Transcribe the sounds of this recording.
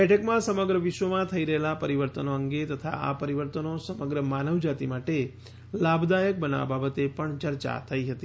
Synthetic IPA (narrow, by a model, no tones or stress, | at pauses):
bɛʈʰəkmãsəməɡɾəʋiʃʋəmãt̪ʰəiɾəɦelapəɾiʋəɾt̪ənoəŋɡet̪ət̪ʰa̰ʔa̰pəɾiʋəɾt̪ənosəməɡɾəmanəʋd͡ʒat̪imaʈe | labd̪ajək̚bəna̰ʋa̰babət̪epəɳt͡ʃəɾt͡ʃa̰t̪ʰəiɦət̪i